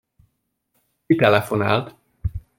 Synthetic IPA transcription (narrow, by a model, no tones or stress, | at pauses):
kit̪ɛlɛfona̰ːlt̪